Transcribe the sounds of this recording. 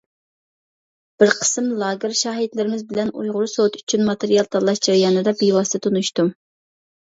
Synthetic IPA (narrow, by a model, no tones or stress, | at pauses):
b̥ɪɾqʰə̥sɨmlˠɑːɡʲɪɾʃɑːɦɪd̪lɪɾɪmɪzbɪlɛnujʁʊɾusot̪y̥t͡ʃʰynmɑt̪ʰeɾijɑlˠt̪ʰɑlˠːɑʃd͡ʒɑɾjɑːnɨd̪ɑbiwɑst̪ʰɨt̪ʰonuʃt̪u